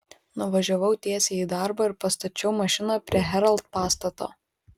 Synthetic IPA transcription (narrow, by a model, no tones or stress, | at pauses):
nʊʋɐʒʲoʋɐʊt̪ʲiɛsʲeːiːd̪ɑˑɾbɐɪɾpɐst̪ɐt͡ʃʲɛʊmɐʃʲɪnɑːpʲɾʲiɛɦʲɛɾɐlˠt̪̚pɑːst̪ɐt̪o̰ː